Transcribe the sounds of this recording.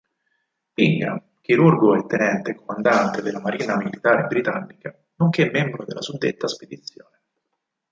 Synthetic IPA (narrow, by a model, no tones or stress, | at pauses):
piŋɡɾa̰m | k̟iɾurɡoɛt̪ːenɛnt̪ekomand̪ant̪ed̪elːamaɾiːnamilit̪aːɾebɾit̪anːika | noŋk̟emːɛmbɾod̪ḛlːasud̪ːḛt̪ːasped̪it̪sːjoːne